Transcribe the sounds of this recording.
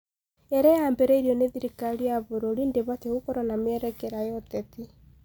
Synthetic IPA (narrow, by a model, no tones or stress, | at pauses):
ɛɾɛjaːmbɛɾɛiɾiɔneðiɾikaɾijaβoɾoɾindeβateokɔɾɔnamɛɾɛkɛɾajɔtɛti